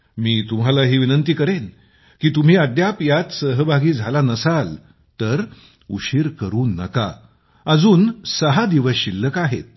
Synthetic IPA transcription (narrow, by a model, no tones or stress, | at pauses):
miːt̪umɦalaɦiːʋinənt̪iːkəɾen | kiːt̪um̤iːəd̪japjat̪səɦəbʱaɡiːd͡zʱalanəsal | t̪əɾ | uɕiɾkəɾuːnːə̰ka̰ | əd͡zuːnsəɦad̪iʋəsɕilːəkaɦḛt̪̚